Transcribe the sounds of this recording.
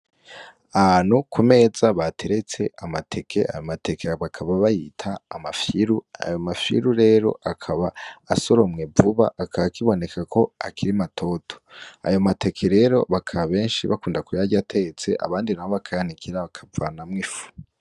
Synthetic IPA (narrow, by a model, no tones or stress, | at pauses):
aβanhukʰume̞ːzaβatʰe̞ɾe̞t͡se̞amatʰe̞kʰe̞̰ʔa̰jomate̞kʰeβakʰaβaβajitʰaːmafiɾua̰jo̞mafḭɾuɾe̞ːɾo̞̰ʔakʰaβaːsoɾo̞mŋevuβa̰ʔːkʰaβakiβo̞ne̞kʰakʰo̞a̰kʰiɾimatʰo̞tʰo̥a̰jo̞mate̞kʰe̞ɾe̞ːɾo̞̰βakʰaββe̞ːnʃiβa̰kuːndakujaɟatʰe̞et͡se̞ʔa̰βaːndinaβoβakʰajanikʰiɾaβakʰavanamŋifu̥